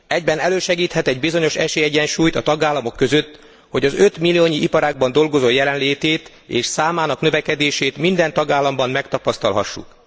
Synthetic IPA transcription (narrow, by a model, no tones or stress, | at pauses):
ɛɟbɛnɛløːʃɛɡiːt̪hɛt̪ɛɟbizo̞ɲo̞ʃɛʃeːjɛɟɛnʃuːjt̪ɒt̪ɒɡaːlːɒmo̞kːø̞zø̞t̪ː | ho̞ɟɒzø̞t̪milːioːɲiʔipɒɾaːɡ̚bɒnd̪o̞lɡo̞zojɛlɛnleːt̪eːt̪ | eːʃsaːmaːnɒknøvɛkɛd̪eːʃeːt̪mind̪ɛnt̪ɒɡaːlːɒmbɒmːɛkt̪ɒpɒst̪ɒlɦɒ̰ʃːṵk